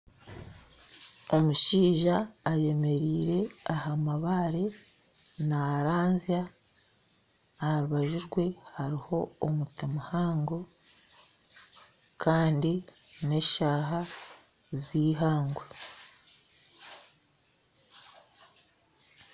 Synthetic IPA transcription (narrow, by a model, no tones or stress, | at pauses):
o̞muʃiːʒaːje̞me̞ɾiːɾe̞ahamaβaɾe̞ | naɾaːnzia | hɾuβaʒuɾɡwe̞hhaɾiho̞omutimahaːŋɡo̞ | kʰaːndine̞ʃaːɦa | ziːɦaːŋɡwe